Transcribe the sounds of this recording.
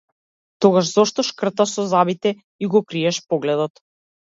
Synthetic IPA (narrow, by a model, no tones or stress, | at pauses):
t̪ɔɡaʃzɔʃt̪ɔʃkr̩t̪aʃsɔzabit̪ɛ | iɡɔkɾiɛʃpɔɡlɛd̪ɔt̪